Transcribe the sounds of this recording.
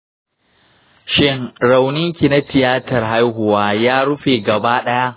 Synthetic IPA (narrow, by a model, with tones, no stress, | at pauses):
ʃɪ˦ŋɽa˨wnɪ˦ŋkʲi˨na˦tɪ˨jaː˦tɐ˨rɦa˦jɦʊ˨waː˦jaː˦ɽʊ˦ɸeː˨ɡɐ˨baː˦ɗɐ˦ja˦ʔ